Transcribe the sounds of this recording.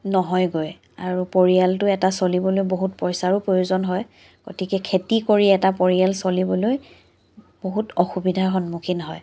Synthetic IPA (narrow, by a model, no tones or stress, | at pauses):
nɔɦɔjɡoj | a̰ɹupoɹialtʊɛtasolibɔlojboɦutpɔjsaɹupɹojuzɔnɦɔj | ɡ̥otikɛkʰetikoɹiɛtapoɹijalsolibɔloj | b̥oɦutɔxubidʱaxɔnmukʰinɔɦɔj